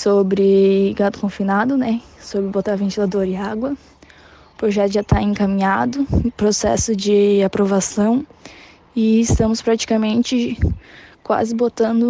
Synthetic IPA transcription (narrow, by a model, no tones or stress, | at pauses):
sobɾɪɡat̪ʊ̥kõfinad̪ʊnɛsobɾɪbot̪aɾvẽnt͡ʃilad̪oɾɪaɡwɐ | ʊpɾoʒɛt̪ʊʒat̪aẽkamĩɲad̪ʊpɾosɛ̰sʊd͡ʒɪapɾovasɐ̃w̃ | ɪɪst̪ɐ̃mʊspɾat͡ʃi̥kamẽnt͡ʃɪ | kwa̰zɪbot̪ɐ̃nd̪ʊ